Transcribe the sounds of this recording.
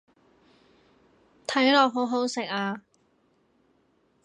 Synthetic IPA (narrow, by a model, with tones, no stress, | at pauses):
t̪ʰɐ˨˥jlɔː˨k̚ɦo˨˥wɦo˨˥wsɪ˨k̚aː˧